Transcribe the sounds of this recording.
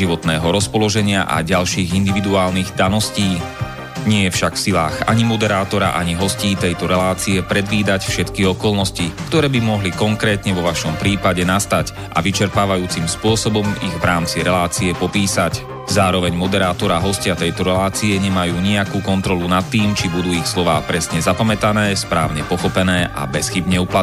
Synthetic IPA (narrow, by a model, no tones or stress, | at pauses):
iʋɔt̪nɛːɦɔɾɔspɔlɔʒɛɲɪaʔa̰ɟalʃiːɣind̪iʋid̪uaːlniɣd̪anɔsciː | ɲɪɛjɛfʃakfsilaːɣa̰ɲimɔd̪ɛɾaːt̪ɔɾa̰ʔaɲiɦɔsciːt̪ɛjt̪ɔɾɛlaːt͡siɛpɾɛd̪ʋiːd̪acfʃɛt̪kiɔkɔlnɔscikt̪ɔɾɛːbimɔɦlikɔŋkɾɛːt̪ɲɛʋɔʋaʃɔmpɾiːpaɟɛnast̪ac | ʔa̰ʋit͡ʃɛɾpaːʋajuːt͡simspʊɔsɔbɔmiɣʋɾaːmt͡siɾɛlaːt͡siɛpɔpiːsac | zaːɾɔʋɛɲmɔd̪ɛɾaːt̪ɔɾaɦɔscɪat̪ɛjt̪ɔɾɛlaːt͡siɛɲɛmajuːɲiakuːkɔnt̪ɾɔlunat̪ːiːmt͡ʃibud̪uːixslɔʋaːpɾɛsɲɛzapamɛt̪anɛːspɾaːʊɲɛpɔxɔpɛnɛːʔʔa̰bɛsxibɲɛupla